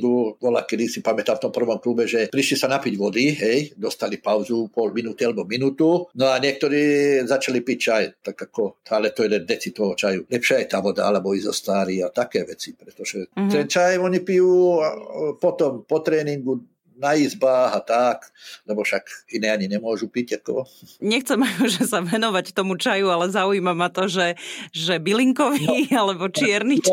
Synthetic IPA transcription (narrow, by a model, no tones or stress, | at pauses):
d̪uːʋɔla̰kɛd̪isipamɛt̪aːft̪ɔmpr̩ʋɔmklubɛʒɛpɾiʃlisanapiɟʋɔd̪iɦɛjd̪ɔst̪alipaʊzupɔlminuːt̪ialɛbɔminuːt̪unɔaɲɪɛk̚t̪ɔɾiːzat͡ʃalipic̚t͡ʃajt̪aɡakɔalɛt̪ɔjɛlɛnd̪ɛt͡sit̪ɔɦɔt͡ʃajulɛpʃɪaajt̪aːʋɔd̪a̰alɛbɔizɔst̪aːɾiːat̪akɛːʋɛt͡sipɾɛt̪ɔʒɛt̪ɛnt͡ʃajɔɲipijuːapɔt̪ɔmpɔt̪ɾɛːniŋɡu | naizbaːɦat̪aklɛbɔfʃakinɛːaɲiɲɛmʊɔʒupicakɔɲɛxt͡sɛmajuʒɛsaʋɛnɔʋact̪ɔmut͡ʃajualɛzauiːmamat̪ɔʒɛʒɛbiliŋkɔʋialɛbɔt͡ʃɪɛɾni